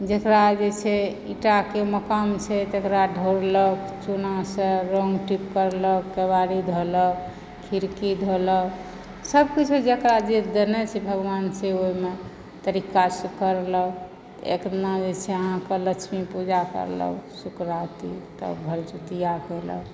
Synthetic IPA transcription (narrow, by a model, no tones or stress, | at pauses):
d͡ʒekɾad͡ʒet͡ʃʰɛ | iʈakeməkamt͡ʃʰɛt̪ekɾaɖʱoɾlək | t͡ʃunasə̃ɾoŋɡʈipkəɾləkːebaɾid̪ʱolək | kʰiɾkid̪ʱolə | səbkit͡ʃʰed͡ʒekɾad͡ʒed̪enɛt͡ʃʰɛbʱəɡwanseoime | t̪əɾikasəkəɾlə | t̪ḛknad͡ʒet͡ʃʰɛəɦãkelət͡ʃʰmipud͡ʒakə̰ɾlə̰sukɾat̪it̪ə̰bʱəlt͡ʃut̪ijakelə̰